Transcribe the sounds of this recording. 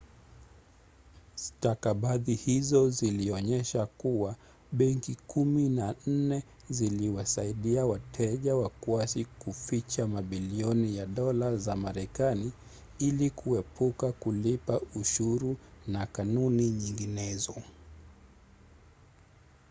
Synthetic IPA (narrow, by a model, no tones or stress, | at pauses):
stakaɓaðihizɔziliɔɲɛʃakuwa | ɓɛŋkikuminan̩nɛ | ziliwasaiɗiawatʰɛʄawakuasikufit͡ʃamaɓiliɔnijaɗɔlazamaɾɛkani | ilikʰuɛpʰukakulipauʃuɾunakanuniɲiŋɡinɛzɔ